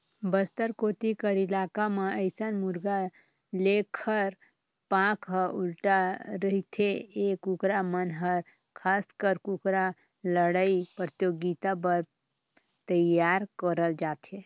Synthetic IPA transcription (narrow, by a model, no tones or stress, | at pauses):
bəst̪əɾkot̪ikəɾilakameəɪsənmuɾɡa | lekʰəɾ | pãkɦəulʈaɾəɦit̪ʰeekukɾamənɦəɾ | kʰaskəɾkukɾa | ləɽaipɾət̪joɡit̪abəɾ | t̪əjjaɾkəɾəld͡ʒat̪ʰe